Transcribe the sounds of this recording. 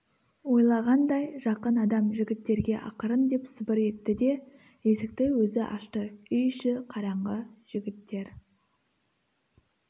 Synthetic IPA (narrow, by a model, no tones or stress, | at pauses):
wo̞jlˠɑʁɑnd̪ɑjʒɑqənɑd̪ɑmʒɪɡʲɪt̪ːe̞ɾɡʲe̞ʔɑ̰qəɾənd̪e̞psɪbɪɾe̞t̪ːɪd̪e̞ | je̞sɪk̚t̪ɪwɵzɪʔɑ̰ʃt̪əʏjʃɪqʰɑɾɑɴʁəʒ̥ɪɡʲɪt̪ːe̞ɾ